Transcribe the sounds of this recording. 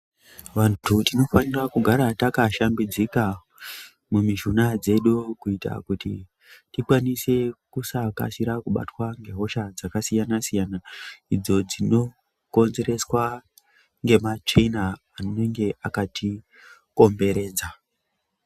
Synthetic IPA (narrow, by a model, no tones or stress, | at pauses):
ʋantʰutino̞fanirakuɡʱaɾatakaʃambid͡zika | mumiʃunad͡ze̞ɗukuita̰kutḭ | tikwanise̞kusaka̰siɾakuɓa̰twaŋɡe̞ɦo̞ʃad͡zakasijanasijanaid͡zo̞d͡zino̞ | ko̞nze̞ɾe̞swa | ŋɡe̞mat͡ʃenaː | nne̞ŋɡe̞ʔakati | ko̞mbe̞ɾe̞ːd͡za